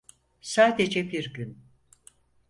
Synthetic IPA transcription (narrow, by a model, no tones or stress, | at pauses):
saːd̪ed͡ʒɛbiɾɟyn